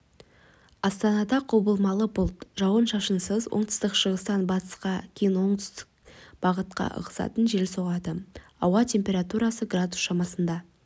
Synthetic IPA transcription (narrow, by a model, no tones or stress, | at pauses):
ɑst̪ɑnɑd̪ɑqʰobəlˠmɑlˠəbʊlˠt̪ʒɑwənʃɑʃənsəzwʔo̞̰ɴt̪ə̥st̪əqʃəʁəst̪ɑnbɑt̪ə̥sqɑkʲʰejɪnwo̞ɴd̪ʏ̥st̪ɪ̥k̚b̥ɑʁət̪̚qɑ̰ʔə̰ʁəsɑ̰t̪ənʒe̞lso̞ʁɑd̪əɑwɑt̪ʲʰe̞mpʲe̞ɾat̪uɾɑsəɡrad̪usʃɑmɑsənd̪ɑ